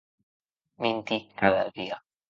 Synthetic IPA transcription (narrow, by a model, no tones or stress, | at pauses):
mĩnt̪ikaða̰ðia